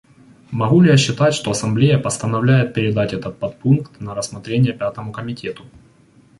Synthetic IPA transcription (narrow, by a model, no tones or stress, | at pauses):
mɐɣulʲɪjaɕːɪt̪atʲʂt̪o̞ɐsɐmblʲejəpəst̪ənɐvlʲæjɪt̪̚pʲɪɾʲɪd̪atʲɛt̪ət̪̚pɐt̪̚punkt̪nɐɾəsmɐt̪ɾʲenʲɪjəpʲat̪əmʊkəmʲɪtʲe̞t̪ʊ